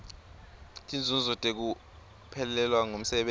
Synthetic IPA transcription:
tʼʰind͡zʱunzʱɔtʼek̬u | pʰɛlɛlwaŋom̩sɛɓe

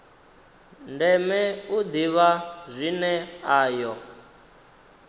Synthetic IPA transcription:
ndɛmɛud̪iβazʷinɛaːjɔ

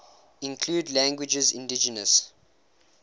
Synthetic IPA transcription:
ĩnkʰluːdlæ̃ŋɡwɪd͡ʒəzɪ̰̃ndid͡ʒənəs

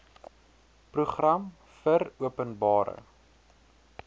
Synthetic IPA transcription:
pruχrɐm | fəruəpənbɑːɾə̰

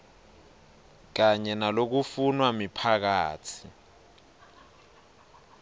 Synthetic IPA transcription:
k̬aɲɛnalok̬ufunwamipʰak̬aːtʰi̥

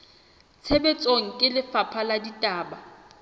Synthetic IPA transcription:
t͡sʰebet͡sʼoŋ̩kʼɪlɪfapʰaladitʼaːba

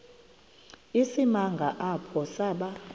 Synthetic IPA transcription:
isimaŋɡʱaʔapʰɔsaɓa

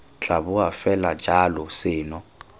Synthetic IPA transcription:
t͡ɬʰʼaβʊafɛlḁd͡ʒʱalɔsɪːnɔ

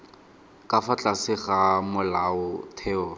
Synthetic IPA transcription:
kʼafat͡ɬʼasɪχamʊlaʊtʰɛːɔ

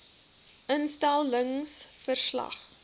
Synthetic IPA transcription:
ʔənstælˠəŋsfərslɐ̰χ

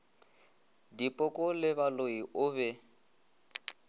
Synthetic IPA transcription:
dipʼɔkʼɔlɪβaloiʔʊβɛ

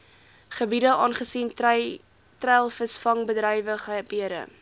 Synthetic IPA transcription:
χəbidəʔɑːnχəsin | trɛlˠfəsfɐŋbədrɛjvəχəbiəɾə̰

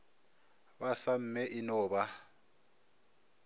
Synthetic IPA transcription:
basam̩mɛʔɪnɔːba

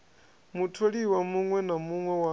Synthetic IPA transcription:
mutʰoɺiwamuŋwɛnamuŋwɛwa

